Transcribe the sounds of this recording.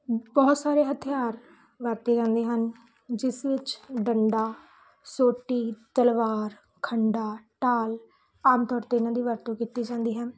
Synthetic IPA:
bɔːt̪saːɾeːɦət̪ʰɪjaːɾ | ʋəɾt̪eːd͡ʒãːnd̪eːɦən | d͡ʒɪsʋɪt͡ʃɖəɳɖaː | soːʈːiːt̪əlʋaːɾ | kʰəɳɖaːʈaːl | aːmt̪ɔːɾt̪eːɪnãːd̪iːʋəɾt̪õːkiːt̪iːd͡ʒãːnd̪iːɦɛ̃ː

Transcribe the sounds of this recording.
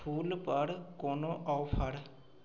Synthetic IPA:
pʰuːlpəɽkoːnõːʔɔːpʰəɽ

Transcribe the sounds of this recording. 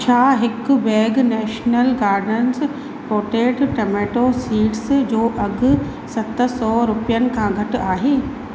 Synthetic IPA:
t͡ɕʰaːɦɪkʊ̆bɛːɡnɛːʃnəlɡaːɾɖnənɪs | poːʈeːʈʈɐmeːʈosiːʈsd͡ʑoːʔɐɡʊ̆ | sɐt̪əsɔːɾʊpijənɪ̆kʰãːɡʱɐʈʊ̆aːɦeː

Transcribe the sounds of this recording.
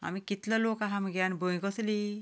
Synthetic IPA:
a̰mikit̪lɔlokaɦamɡjanbʱoj̃ɡɔsli

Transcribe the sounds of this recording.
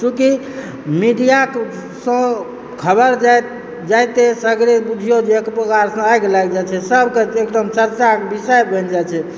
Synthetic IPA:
t͡ʃũki | miɖijak | sə̃ | kʰəbəɾd͡ʒa | d͡ʒajt̪esəɡɾebud͡ʒʱijod͡ʒeekpɾəkaɾsə̃ajkelajk̚d͡ʒat͡ʃʰɛsəbʱkeekd̪əmt͡ʃəɾt͡ʃakebisəjbʱənd͡ʒajt͡ʃʰɛ

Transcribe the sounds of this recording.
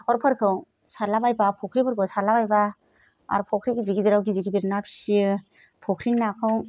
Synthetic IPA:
kʰɔɾpʰɯɾkʰɯw | saɾlabajbapʰɔkʰɾipʰaɾkʰɯwsaɾlabajba | a̰ɾpʰɔkʰɾiɡiziɡidiɾawɡiziɡidiɾnapʰi̥si | pʰɔkʰɾinakʰɯw

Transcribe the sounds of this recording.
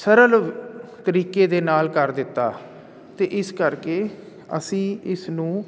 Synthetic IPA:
səɾəlt̪əɾiːkeːd̪eːnaːlkəɾd̪ɪt̪ːaː | t̪eːʔɪskəɾkeː | ə̰sĩːɪsnũː

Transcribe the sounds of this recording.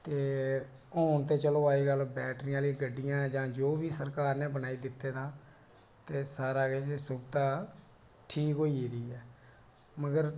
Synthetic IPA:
t̪eː | ɔːnt̪eːt͡ʃəloːaːiːɡəlbɛːʈɾijãːliːɡəɖːijãːd͡ʒãːd͡ʒoːbiːsəɾkaːɾnẽːbənaːiːd̪ɪt̪ːeːd̪ãː | t̪eːsaːɾaːɡeːt͡ʃesʊbt̪ãː | ʈʰiːkɦoːiɾiːɛː | məɡəɾ

